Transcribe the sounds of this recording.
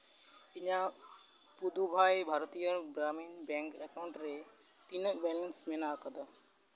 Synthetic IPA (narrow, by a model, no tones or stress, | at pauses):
ɪɲã | pud̪ʱubʱaːibʱaːɾt̪ijəbɾaːmiːnbɛ̃ːŋkekaʊ̃ɳʈɾe | t̪inəbɛːlənsmẽnakɐ̃d̪ʱa